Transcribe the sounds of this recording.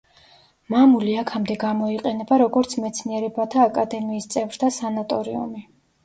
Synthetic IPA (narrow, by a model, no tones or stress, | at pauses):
mamuliakʰamd̪ɛɡamɔiqʼɛnɛbaɾɔɡɔɾt̪sʰmɛt̪sʰniɛɾɛbat̪ʰaːkʼad̪ɛmiːst̪sʼɛvɾd̪ʰasanat̪ʼɔɾḭṵmi